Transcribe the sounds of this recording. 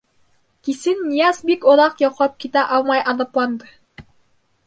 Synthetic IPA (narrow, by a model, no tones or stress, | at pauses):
kisɘnːijɑsbikŏðɑqjɑqlˠɑp̚kit̪æʔɑlˠmɑjʔɑnɤplˠɑnd̪ɤ